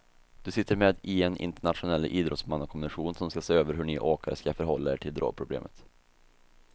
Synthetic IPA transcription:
d̪̥ɵsɪt̪ʰːəɾmeːd̪ɪɛnɪ̰nt̪əɳat̪ɧʊnɛlːʔiːd̪ɾɔt̪smanːɔkʰɔmnɧuːnsɔmskaseːøːvəɾɦɵɳiʔoːkaɾəskafœɾɦɔlːaḛːʈʰɪld̪ɾo̰ːɡ̚pʰɾʊblḛːmʔət̪

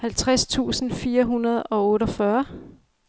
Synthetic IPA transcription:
hælt͡sʰʁast͡sʰṵːsn̩fiːɐɦunɐð̞ˠɒ̽ɔ̽ːɾɒfɶɐ

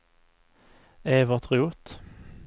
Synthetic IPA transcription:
eːʋət̪ʰʁɪuːt̪

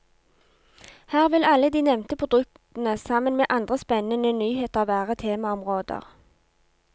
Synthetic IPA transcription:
hæːʁʋɪlɑləd̪iːnɛmnt̪əpʰʊd̪ʉk̚t̪n̩əsɑmənmeːʔɑnd̪ʁəspɛnənənyːheːt̪ɑːʋæːʁət̪ʰeːmɑɔmʁoːd̪ə̰ʁ

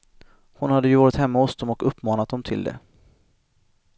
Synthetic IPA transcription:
hʊnhad̪ːəjɵvɑːɾɪt̪hɛmːahɔsd̪ɔmɔkɵpːmɑːnat̪̚d̪ɔmt̪ʰɪld̪ɛ̰

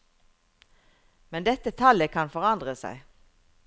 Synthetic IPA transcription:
mɛnd̪ɛt̪ət̪ʰɑləkʰɑnfɔʁɑnd̪ʁəsæ̰ɪ

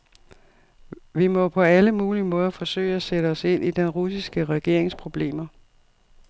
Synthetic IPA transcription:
ʋimɒ̽pʰɒ̽æləmuːlimɔ̽ːðˠɐfɒ̽sø̰ɪ̰æseɾəɒ̽se̝n̰ʔid̥enʁusisɡ̥əʁɛɡ̥e̝ɐ̰eŋspʰʁo̝b̥le̝̰ːmɐ

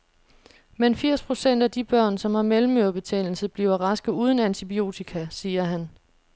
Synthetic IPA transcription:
menfiɐ̰spʰʁo̝sen̰d̥æd̥ib̥ɶɐ̰nsɒ̽mhɑ̈melm̩øɐb̥e̝t͡sʰḛl̩səb̥liːʊɐʁɑ̈sɡ̥ð̩ˠuːð̞ˠn̩ænt͡sʰib̥io̝̰ːt͡sʰikʰæsiːɐɦæn

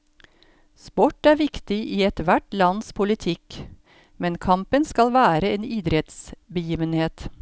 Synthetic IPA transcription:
spɔʈːæːɾʋɪkt̪ɪʔiːɛt̪ʋæʈlɑnspʰʊlɪt̪ʰɪk | mɛnkʰɑmpənskɑlʋæːɾəeːniːd̪ɾɛt̪sbəjiːʋənheːt̪

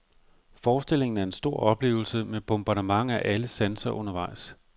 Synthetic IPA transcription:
fɒːsd̥e̝l̰e̝ŋn̩æɐe̝nsd̥o̝ɐ̰ɒ̽b̥le̝̰ːʊl̩səmeb̥ɔmb̥ɑ̈ɾəmɑ̈ŋ̰æʔæləsænsɐʔɔ̽nɐʋɑ̈ɪ̰s

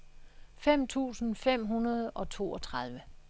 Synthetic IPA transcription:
fem̰t͡sʰṵːsn̩fem̰ɦunɐð̞ˠɒ̽t͡sʰo̝̰ːɒ̽t͡sʰʁɑðˠʋə

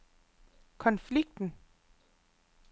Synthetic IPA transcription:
kʰɒ̽nfliɡ̥̚d̥n̩

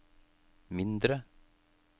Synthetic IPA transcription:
mɪnd̪ɾə

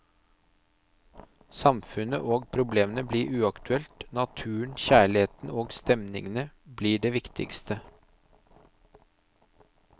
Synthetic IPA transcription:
sɑmfʉnə̰ʔoːɡ̚pʰɾʊbleːmənəbliːɾʔʉːɑkt̪ʉɛlt̪nɑt̪ʰʉːəɳçæːɭɪeːt̪n̩oːɡst̪ɛmnɪ̰ŋənə | bliːɖeːʋɪkt̪ʰɪ̰kst̪ʰə

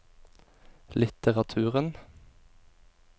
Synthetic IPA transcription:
lɪt̪əʁɑt̪ʰʉːʁən

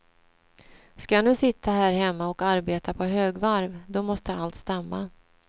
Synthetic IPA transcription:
skajanʉ̟ːsɪt̪ʰːaɦæːɾɦɛmːaɔkaɾbeːt̪apʰɔɦøːɡvaɾvd̪ɔmɔst̪əalt̪st̪amːa

